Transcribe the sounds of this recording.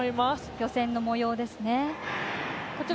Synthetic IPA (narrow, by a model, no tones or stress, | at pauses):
imasjo̞sẽ̞nːo̞mo̞jo̞ːd̪e̞sɨne̞ | kot͡ɕi